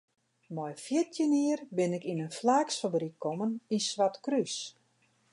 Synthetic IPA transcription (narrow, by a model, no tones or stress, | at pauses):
mɔjfjɪtʰjəniərbɪnɪkinənflaːksfabrikʰːɔməninsʋatkrys